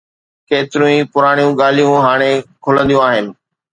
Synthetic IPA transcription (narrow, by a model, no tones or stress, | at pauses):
keːt̪ɪɾũĩpʊɾaːɽ̃ijũɠaːl̤ijũɦaːɽ̃ekʰʊlə̃nd̪ijũaːɦɪnɪ̆